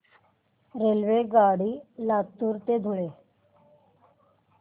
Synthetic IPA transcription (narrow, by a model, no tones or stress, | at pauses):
ɾelʋeɡaɽiːlat̪ːuːɾt̪ed̪ʱuɭe